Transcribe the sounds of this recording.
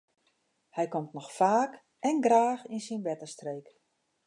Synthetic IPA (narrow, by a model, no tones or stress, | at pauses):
hɛjkomtnɔxfaːk | ɛnɡraːxinsinʋɛtəstrejk